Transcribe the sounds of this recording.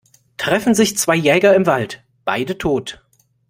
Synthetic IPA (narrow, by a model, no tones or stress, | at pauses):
tʁ̥ɛfn̩zɪçt͡sv̥aɪjɛːɡɐɪmvalt | b̥aɪdətʰoːt